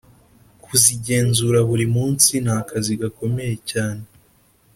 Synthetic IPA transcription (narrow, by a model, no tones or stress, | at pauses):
kʰuziɟe̞ːnzuɾaβuɾimuːnsinhaːkʰaziɡako̞me̞je̞caːne̞